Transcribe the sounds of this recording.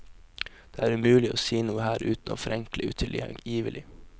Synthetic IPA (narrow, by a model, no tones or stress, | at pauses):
d̪̥eːæːɾʉmʉːlɪʔo̰ːsiːnuːəhæːɾʉːt̪n̩o̰ːfɾɛŋklɪʉ̰ːt̪ʰɪljɛ̰ŋjiːʋəlʔɪ